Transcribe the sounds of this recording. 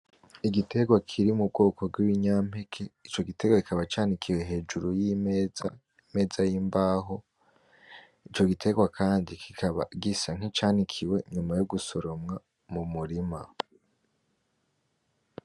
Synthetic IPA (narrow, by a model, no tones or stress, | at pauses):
iɡite̞ɡwakʰiɾimub̚ɡo̞ːko̞b̚ɡwiwiɲam̥he̞kʰeit͡ʃo̞ɡite̞ɡwakikaβat͡ʃaːnikʰiwe̞ɦe̞ːd͡ʒuɾuji | me̞ːzajimbaːɦo̞ | it͡ʃo̞ɡitʰe̞ɡwakʰaːndikʰikʰaβa̰ɡisaŋ̥it͡ʃaːnikʰiwe̞ɲumajoɡuso̞ɾomŋa | mumuɾima